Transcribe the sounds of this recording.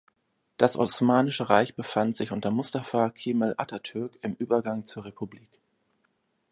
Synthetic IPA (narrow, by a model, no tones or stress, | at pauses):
d̥asʔɔ̰smaːnɪʃəʁaɪçb̥əfantz̥ɪçʔʊntɐmʊstafaːkʰiːməlʔa̰tatʰʏɐkɪmʔyːbɐɡaŋt͡suːɐʁepʰubliːk